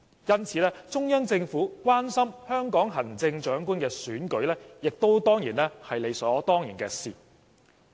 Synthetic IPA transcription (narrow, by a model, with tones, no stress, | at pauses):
jɐ˥nt͡sʰiː˨˥lɛː˥t͡sʊ˥ŋjœː˥ŋt͡sɪ˧ŋfuː˨˥kʷwaː˥nsɐ˥mhœː˥ŋkɔː˨˥ŋɦɐ˨˩ŋt͡sɪ˧ŋt͡ʃœː˨˥ŋkuː˥nkɛː˧syː˨˥nkɵ˨˥ɥlɛː˥jɪ˨k̚t̪o˥wt̪ɔː˥ŋjiː˨˩nlɛː˥hɐ˨jle˨˧jsɔː˨˦t̪ɔː˥ŋjiː˨˩nkɛː˧sḭː˨˩